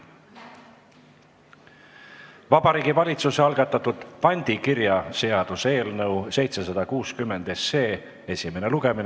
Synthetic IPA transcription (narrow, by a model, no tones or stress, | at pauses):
vɑb̥ɑɾiːɡivɑlʲit̪suse̞ɑlɡ̥ɑt̪ːˑɑt̪ːud̪̥pɑnʲd̪̥ikiɾjɑse̞ɑd̪̥use̞ːlnɤwse̞jt̪se̞sɑd̪̥ɑkuːskymːe̞nd̪̥e̞se̞ː | e̞sʲime̞neluɡ̥e̞min